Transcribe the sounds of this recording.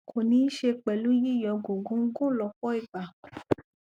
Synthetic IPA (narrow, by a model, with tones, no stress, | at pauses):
kʰo˨nĩ˧˦ʃe˧k͡pɛ˨lu˨˦ji˦˨jɔ̃˨˧ɡo˨ɡõ˨˦ŋ̩˦ɡũ˦lɔ˧˨kɔ˦i˦˨ɡ͡ba˨